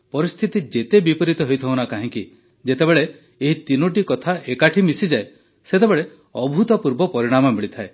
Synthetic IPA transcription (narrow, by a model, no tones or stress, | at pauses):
pɔɾist̪ʰit̪id͡ʒet̪ebipɔɾit̪ɔɦojt̪ʰɔwnakaɦĩŋki | d͡ʒet̪ebeɭe | eɦit̪inuʈ̬ikɔt̪ʰaʔekaʈʰimisid͡ʒae | set̪ebeɭe | ɔbʱut̪ɔpuɾbɔpɔɾiɽ̃amɔmiɭit̪ʰae